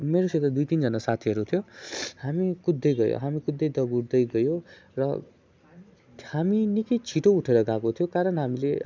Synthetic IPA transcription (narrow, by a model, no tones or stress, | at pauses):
meɾoset̪ad̪ujt̪ind͡zʌnasat̪ʰiʌɾut̪ʰjohamikud̪ːʌjɡʌjo̰ɦamikud̪ːʌjd̪ʌɡuɽd̪ʌjɡʌjo | rʌ | haminikʌjt͡sʰiʈouʈʰeɾʌɡakot̪ʰijokaɾʌnɦamile